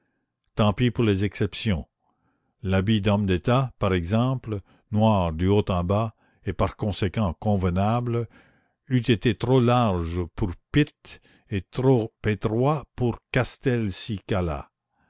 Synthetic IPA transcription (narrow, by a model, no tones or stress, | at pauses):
t̪ɑ̃pipuʁlezɛksɛpsjɔ̃ | labid̪ɔmd̪et̪apaʁɛɡzɑ̃pl | nwaːʁd̪yot̪ɑ̃ba | epaʁkɔ̃sekɑ̃kɔ̃vənabl | yt̪et̪et̪ʁolaʁʒpʰuʁpit̪ | et̪ɾopet̪ʁwapuʁkast̪ɛlsikala̰